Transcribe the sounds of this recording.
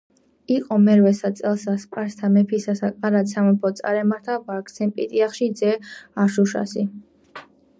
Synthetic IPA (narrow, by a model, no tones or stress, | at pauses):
iqʼɔmɛɾvɛsasʼɛlˠsaspʼaɾst̪ʰamɛpʰisasakʼaɾasʰamɛpʰɔt̪sʼa̰ɾɛmaɾt̪ʰabaɾkʰʼsʰɛmpʼḭt̪ʼiaχʃid̪zɛaʃuʃa̰si